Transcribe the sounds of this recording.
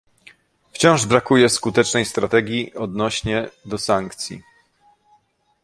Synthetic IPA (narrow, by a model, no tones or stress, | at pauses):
ft͡ɕɔ̃w̃ʐbɾakujɛskut̪ɛt͡ʂnɛjst̪ɾat̪ɛɡʲjiʔɔd̪nɔɕɲɛd̪ɔsaŋkt̪sʲjḭ